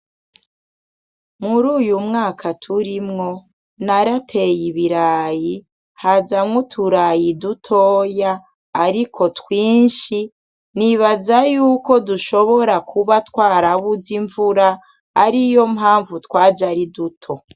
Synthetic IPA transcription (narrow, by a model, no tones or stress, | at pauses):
muɾuːjumŋaːkʰatʰuɾimŋo̞ | naɾatʰe̞jiβiɾaːji | hazamŋotʰuɾajidutʰoːjaː | ɾikʰo̞twiːnʃi | niβazajuːko̞duʃo̞βo̞ɾakʰuβatwaːɾaβuziɱvuɾaː | ɾijo̞mɦaːɱvutwaːd͡ʒaɾidutʰo̞